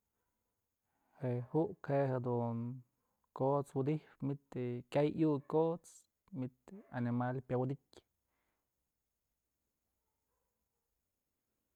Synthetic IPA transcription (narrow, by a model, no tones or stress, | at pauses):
hehuʔkʰehed̪uŋ | kot͡swud̪ihpmit̪ekʲajjukot͡s | mit̪animalpjawd̪itʲ